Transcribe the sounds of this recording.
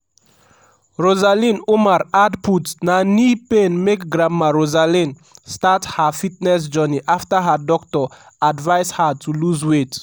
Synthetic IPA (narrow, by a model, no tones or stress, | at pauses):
ɹozalĩnomaɾadputnanipenmekɡɾamːaɾozalĩn | stathəfitnɛs̬d͡ʒəniʔaftəɦədɔktɔ | advajshatʰuluzwet